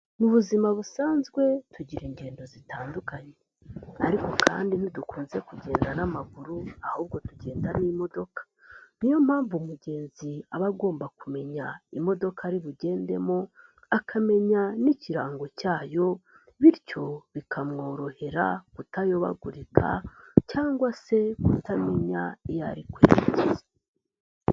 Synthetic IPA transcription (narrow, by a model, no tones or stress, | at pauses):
muβuzimaβusaːnzɡwe̞tuɟiɾiɲɟe̞ːndo̞zitaːndukaɲe | aɾiko̞kʰa̰ːndinidukuːnze̞kuɟe̞ːndanamaɡuɾuahuːb̚ɡo̞tuɟe̞ːndanimo̞do̞kḁ | n̥ijo̞m̥haːɱvumuɟe̞ːnziaβaɡo̞ːmbakume̞ɲaimo̞do̞kʰaɾiβuɟe̞ːnde̞mo | akʰame̞ɲaniciɾaːŋɡo̞caːjo̞ | βiɾco̞βikʰamŋo̞ːɾo̞he̞ɾa̰kutajo̞βa̰ɡuɾikʰa̰caːŋɡwase̞kutame̞ɲa̰ija̰ɾikwḛːɾcize